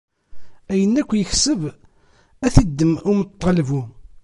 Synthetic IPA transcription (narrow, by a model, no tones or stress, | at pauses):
æjənːækʷːjəçsəv | æθid̪ːəmʊmət̪ˤːɑlvu